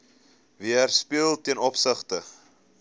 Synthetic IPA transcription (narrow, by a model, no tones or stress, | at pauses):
viærspiəlˠtiənɔpsəχtə